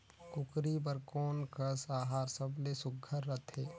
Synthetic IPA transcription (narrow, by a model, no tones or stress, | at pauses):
kʊkɾib̬əɾkɔːnkəsaːɦaːɾsəblesʊɡʱːəɾːət̪ʰeː